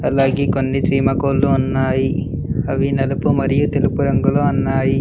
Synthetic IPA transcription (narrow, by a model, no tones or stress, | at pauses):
ɐlaːɡeːkonːit͡ʃiːmɐkoːlːuːnːaːji | ɐʋinɐlɐpumɐɾijut̪elupuɾɐŋɡuloːɐnːaːji